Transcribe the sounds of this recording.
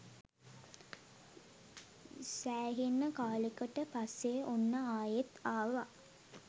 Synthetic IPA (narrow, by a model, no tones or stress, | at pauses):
sæːɦinːəkaːləkəʈəpasːeʔonːəaːjet̪aːʋa